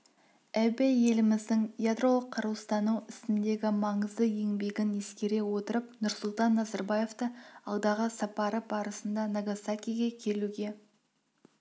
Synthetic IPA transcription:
æbeje̞lɪmɪzd̪ɪŋjad̪ro̞lˠəqʰːɑɾuw̪ˠst̪ɑnuwɪst̪ɪnd̪e̞ɡʲɪmɑɴəzd̪əje̞ŋbe̞ɡʲɪne̞skʲe̞ɾe̞wo̞t̪əɾəpnʊɾsʊlˠt̪ɑnːɑzɑɾbaje̞ft̪əɑlˠd̪ɑʁəsɑpɑɾəbɑɾəsənd̪ɑnaɡasakʲijɡʲekʲʰe̞luɡʲe̞

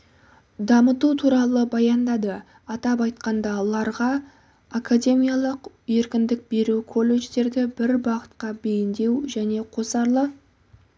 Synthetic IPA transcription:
d̪ɑmət̪ut̪ʰuɾɑlˠəbɑjɑnd̪ɑd̪ə | ɑt̪ɑp̬ɑjt̪qɑnd̪ɑlˠɑɾʁɑ | akʰad̪ʲe̞mʲijɑlˠəq | je̞ɾkʲɪnd̪ɪk̚be̞ɾukʰo̞lːe̞ʒd̪e̞ɾd̪ɪbɪɾbɑqət̪qɑbe̞jɪnd̪e̞wʒæne̞qʰo̞sɑɾlˠə

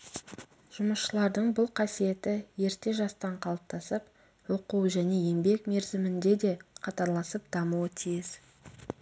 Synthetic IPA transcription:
ʒ̥ʊməsʃəlˠɑɾd̪əɴbʊlˠqʰɑsije̞t̪ɪje̞ɾt̪e̞ʒɑst̪ɑɴqʰɑlˠəp̚t̪ɑsəp̚ | woquwʒæne̞je̞mbe̞kme̞ɾzɪmɪnd̪e̞d̪e̞qʰɑt̪ɑɾlˠɑsəp̚d̪̥ɑmuwət̪ʰijɪz

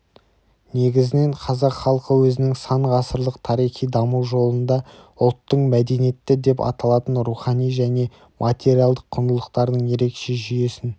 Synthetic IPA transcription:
ne̞ɡʲɪzɪne̞ɴqʰɑzɑqχɑlˠqəwɵzɪnɪŋsɑɴʁɑsəɾlˠəqt̪ʰɑɾijχijd̪ɑmuwʒo̞lˠənd̪ɑʊlˠt̪ːəɴmæd̪e̞nijet̪ːɪd̪e̞pɑ̰t̪ɑlˠɑt̪ənɾuχɑnijʒæne̞ | mʔat̪ʲe̞ɾialˠd̪əqʰːʊnd̪əlˠəqt̪ɑɾd̪əɴje̞ɾe̞kʃe̞ʒʏje̞sɪn

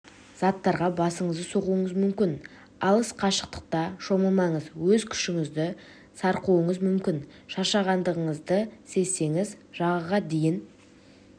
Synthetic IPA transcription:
z̥ɑt̪ːɑɾʁɑbɑsəɴəzd̪əso̞ʁuəɴəzmʏmkʲɪn | ɑlˠəsqʰɑʃə̥q̚t̪ə̥q̚t̪ɑʃo̞məmɑɴəzwɵzkʲʰʏ̥ʃɪŋɪzd̪ɪ | sɑɾquwəɴəzmʏmkʲɪnʃɑʃɑʁɑnd̪əʁəɴəzd̪əse̞sːe̞ŋɪzʒ̥ɑʁəʁɑd̪e̞jɪn

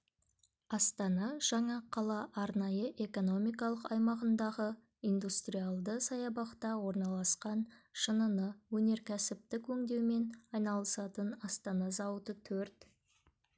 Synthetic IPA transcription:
ɑst̪ɑnɑʒ̥ɑɴɑqʰɑlˠɑʔɑɾnɑjəʔe̞ko̞no̞mijkɑlˠəqɑjmɑʁənd̪ɑʁə | ijnd̪ust̪rijalˠd̪əsɑjɑbɑqt̪ɑwo̞ɾnɑlˠɑsqɑnʃənənəwɵne̞ɾkʲʰæsɪp̚t̪ɪkʰɵŋd̪e̞wme̞nɑjnɑlˠəsɑt̪ənɑst̪ɑnɑzɑwət̪ət̪ʰɵɾt̪

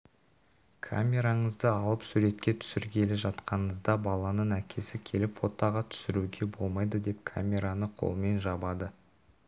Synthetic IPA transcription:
kʰa̰mʲe̞ɾaɴəzd̪əɑlˠəpsuɾe̞t̪kʲe̞t̪ʰʏ̥sɪɾkʲʰe̞lɪʒɑt̪qɑnəəzd̪ɑbɑlˠɑnəɴækʲʰe̞sɪkʲʰe̞lɪpfo̞t̪ɑʁɑt̪ʰʏ̥sɪɾuɡʲe̞bo̞lˠmɑjd̪əd̪e̞pkʰa̰mʲe̞ɾanəqʰo̞̰lˠəme̞nʒɑbɑd̪ə

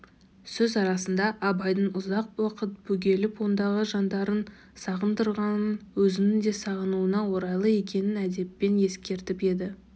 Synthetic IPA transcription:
sɵzɑɾɑsənd̪ɑʔɑbɑjd̪əɴʊzɑq̚wɑqət̪̚bɵɡʲe̞lɪpʰo̞nd̪ɑʁəʒɑnd̪ɑɾən | sɑʁənd̪əɾʁɑnənwɵzɪnɪnd̪e̞sɑʁənuənɑwo̞ɾɑjlˠəe̞kʲe̞nɪnæd̪e̞pːe̞nje̞skʲe̞ɾt̪ɪpe̞d̪ɪ

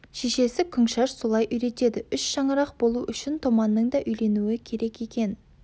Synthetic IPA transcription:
ʃeʃe̞sɪkʲʰʏŋʃɑʃso̞lˠɑjʔʏjɾe̞t̪e̞d̪ɪʏʃʃɑɴəɾɑq̚bo̞lˠuʔʏʃɪnt̪ʰomɑnːəɴd̪ɑʔʏjle̞nuɪkʲʰe̞ɾe̞kʲje̞kʲe̞n

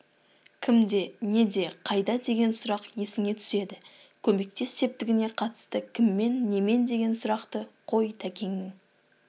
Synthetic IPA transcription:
kʲʰɪmd̪e̞ne̞d̪e̞qʰɑjd̪ɑd̪e̞ɡʲe̞nsʊɾɑqje̞sɪŋe̞t̪ʰʏ̥se̞d̪ɪ | kʲʰɵme̞k̚t̪e̞sːe̞p̚t̪ɪɡʲɪne̞qʰɑt̪ə̥st̪əkʲʰɪmːe̞nːe̞me̞nd̪e̞ɡʲe̞nsʊɾɑqt̪əqʰo̞jt̪ʰækʲe̞ŋnɪŋ

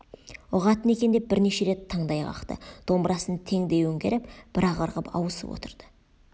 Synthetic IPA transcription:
ʊʁɑt̪əne̞kʲe̞nd̪e̞p̚bɪɾne̞ʃe̞ɾe̞t̪ʰːɑɴd̪ɑjʁɑ̰qt̪ə̰d̪̥o̞mbɾʔɑsənt̪ʰe̞ŋd̪e̞jwɵŋɡʲe̞̰ɾɪpb̥ɪɾɑʁəɾʁəpʰɑ̰wəsə̰pwo̞̰t̪əɾd̪̥ə̥

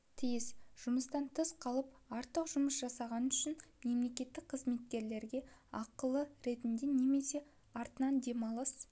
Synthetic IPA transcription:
t̪ʰijɪsʒ̥ʊməst̪ɑnt̪ʰəsqʰɑlˠəpɑɾt̪ːəqʒʊməsʒ̥ɑsɑʁɑnʏʃɪnme̞mle̞kʲe̞t̪ːɪk̚qʰəzme̞t̪̚kʲe̞ɾle̞ɾɡʲe̞ɑqəlˠəɾe̞t̪ɪnd̪e̞ne̞me̞se̞ | ɑɾt̪ənɑnd̪e̞mɑlˠəs

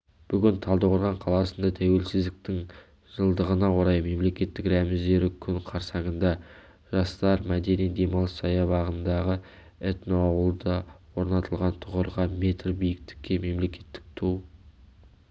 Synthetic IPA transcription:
b̥ʏɡʲɪnt̪ʰɑlˠd̪əqoɾʁɑɴqʰɑlˠɑsənd̪ɑt̪ʰæwe̞lsɪzd̪ɪk̚t̪ɪŋ | ʒ̥əlˠd̪əʁənɑwo̞ɾɑjme̞mle̞kʲe̞t̪ːɪkɾæmɪzd̪e̞ɾɪkʲʰʏnqʰɑɾsɑɴənd̪ɑ | ʒɑst̪ɑɾmæd̪e̞ned̪e̞mɑlˠəsɑjɑbɑʁənd̪ɑʁə | et̪noɑwəlˠd̪ɑwo̞ɾnɑt̪əlˠʁɑnt̪ʰʊʁəɾʁɑme̞t̪rbijɪk̚t̪ɪ̥kʲːe̞me̞mle̞kʲe̞t̪ːɪ̥k̚t̪ʰuw

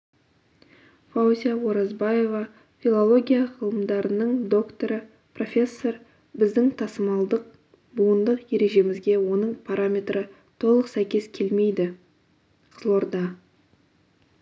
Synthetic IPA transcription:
fauzʲijawo̞ɾɑzbaje̞vɑ | fʲilˠo̞lˠo̞ɡʲijaʁəlˠəmd̪ɑɾənəɴd̪o̞kt̪o̞ɾə | pro̞fʲe̞sːo̞r | bɪzd̪ɪŋt̪ʰɑsəmɑlˠd̪əq̚ | buənd̪əqje̞ɾe̞ʒe̞mɪzɡʲe̞wo̞nəɴpʰaɾʔamʲe̞t̪ɾə | t̪ʰo̞lˠəqsæjkʲe̞skʲʰe̞lme̞jd̪ɪ | qʰə̥zlˠo̞rd̪ɑ

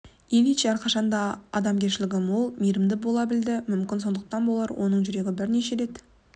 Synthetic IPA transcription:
eneʃeæɾqʰɑʃɑnd̪ɑɑ̰d̪ɑmɡʲe̞ɾʃɪlɪɡʲɪmwo̞lˠmijɾɪmd̪ɪbo̞lˠɑbɪld̪ɪmʏmkʲɪnso̞nd̪əq̚t̪ɑnbo̞lˠɑɾwʔo̞̰nəɴʒʏɾe̞ɡʲɪbɪɾne̞ʃeɾe̞t̪

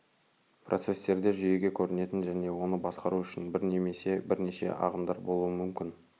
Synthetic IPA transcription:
prʔot̪se̞st̪e̞ɾd̪e̞ʒʏje̞ɡʲe̞kʲʰɵɾɪne̞t̪ɪnʒæne̞wo̞nəbɑsqɑɾuʏʃɪnbɪɾne̞me̞se̞bɪɾne̞ʃe̞̰ʔɑ̰ʁəmd̪ɑɾbo̞lˠuəmʏmkʲɪn

